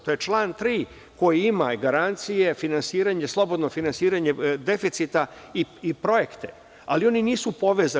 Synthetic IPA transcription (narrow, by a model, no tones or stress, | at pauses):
t̪ojet͡ʃlˠaːnt̪ɾiː | ko̞jiimaɡaɾant̪sije̞finansiːɾaɲe̞slˠo̞bo̞d̪nofinansiːɾaɲe̞d̪e̞fit̪sit̪a | iipɾo̞je̞kt̪e̞ | alio̞niniːsupo̞ʋeza